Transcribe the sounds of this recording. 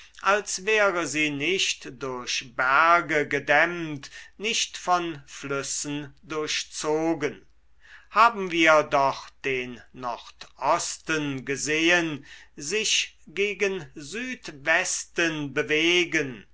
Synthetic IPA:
ʔalsvɛːʁəziːnɪʃtd̥ʊɐɕbæɐɡəɡədɛmtnɪʃtfɔnflʏsən̩dʊɐɕt͡soːɡən | haːbm̩viːɐdɔχd̥eːnːɔʁtʔɔstənɡəzeːənzɪʃɡeːɡənzyːtvɛstənbəveːɡən

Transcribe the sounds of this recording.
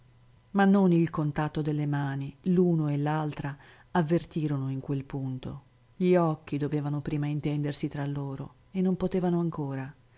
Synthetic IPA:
manːonilkont̪at̪ːod̪elːemaːniluːnoelːalt̪ɾa | avːert̪iːɾonoiŋkwelpunt̪o̰ | ʎiɔkːid̪oveːvanopɾiːmaint̪ɛnd̪ersit̪ɾalːoːɾo̰ | enːompot̪eːvanoaŋkoːɾa

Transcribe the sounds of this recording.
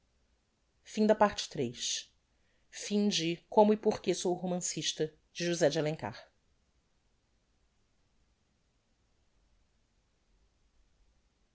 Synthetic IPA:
fĩd̪ɐpaɾt͡ʃɪ̥t̪ɾejʃ | fĩd͡ʒɪkõmʊipoχkesowɦomɐ̃siʃt̪ɐ | d͡ʒɪʒuzɛd͡ʒɪalẽŋka̰χ

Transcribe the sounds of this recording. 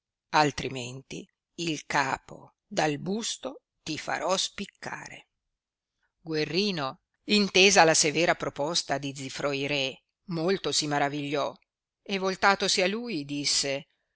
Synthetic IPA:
alt̪ɾiment̪ḭː | lkaːpo̰ | d̪albust̪o | t̪ifa̰ɾɔspikʰːa̰ːɾḛ | ɡwerːiːno | int̪eːzalasevɛːɾapɾopɔst̪ad̪id̪zifɾɔjɾɛ | molt̪osimaɾaviʎːɔ | evːolt̪aːt̪osialuːjd̪isːe

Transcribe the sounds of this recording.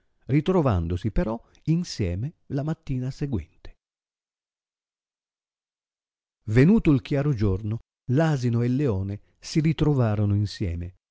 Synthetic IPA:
rit̪ɾova̰nd̪osipeɾɔ | insjɛːme | lamat̪ːiːnaseɡwɛ̰nt̪e̥ | venuːt̪oilkjaːɾod͡ʒorno | laːzinoelːeɔːne | sirit̪ɾovaːɾonoinsjɛ̰ːme

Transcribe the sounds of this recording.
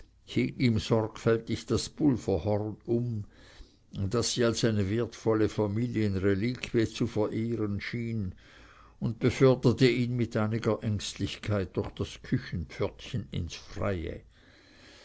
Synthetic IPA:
hiːɡiːmz̥ɔrkfɛltɪçd̥asb̥ʊlfəhɔʁnʊm | d̥asːiːalsaɪnəveɐtfɔləfamiːljənʁeliːkʰv̥iət͡sufɛɐʔeːʁənʃiːn | ʊnt̚b̥əfœɐdətəiːnmɪtaɪnɪɡɐʔɛŋstlɪçkʰaɪt̚d̥ʊχd̥askʰʏçn̩pfœtçənɪ̰nsfʁ̥a̰ɪə̰

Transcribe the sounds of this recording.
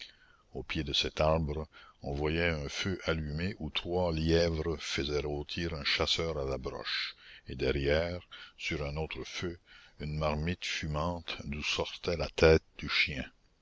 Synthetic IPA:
opjed̪əsɛt̪aʁbʁəɔ̃vwajɛœ̃føʔalymeʔut̪ʁwaljɛvʁəfəzɛʁoːt̪ʰiːʁɛ̃ʃasœːʁalabʁɔ̰ʃed̪ɛʁjɛːʁsyʁɛ̃noːt̪ʁəføynmaʁmit̪fymɑ̃t̪d̪usɔʁt̪ɛlat̪ɛːt̪̚d̪̥yʃjɛ̃

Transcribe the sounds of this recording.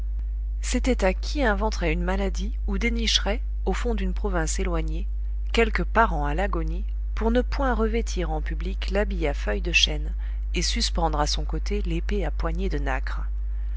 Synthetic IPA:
set̪ɛt̪akʲʰiɛ̃vɑ̃t̪χɛynmalad̪i | ud̪eniʃʁɛ | ofɔ̃d̪ynpχɔvɛ̃selwaɲe | kʲɛlkəpaʁɑ̃alaɡɔni | puʁnəpwɛ̃ʁəvet̪ʰiʁɑ̃pybliklabijafœjd̪əʃɛn | esyspɑ̃d̪ʁasɔ̃kot̪elepeapwaɲed̪ənakχ

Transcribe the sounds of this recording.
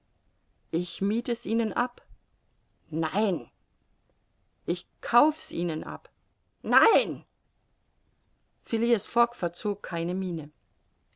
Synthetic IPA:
ʔɪçmiːtəsʔiːnənʔap | naɪn | ʔɪçkʰaʊfə̥sʔiːnənʔa̰p | naɪn | fɪliasfɔkfɛɐt͡soːkʰːaɪnəmiːnə

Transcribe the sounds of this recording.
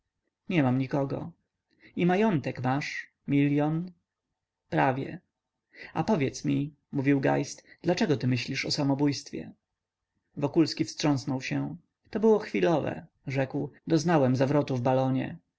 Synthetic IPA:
ɲɛmamɲikɔɡɔ̰ | imajɔnt̪ɛkmaʂ | mʲiljɔn | pɾavʲjɛ̰ | apɔvʲjɛt̪smʲi | muvʲiwɡa̰jst̪d̪̥lat͡ʂɛɡɔt̪ɘmɘɕlʲiʂɔsamɔbujst̪fʲjɛ̰ | vɔkulskʲifstʂɔ̃snɔwɕɛ | t̪ɔbɘwɔxfʲilɔvɛ̰ | ʐɛkwd̪ɔznawɛmzavɾɔt̪uvbalɔɲɛ̰

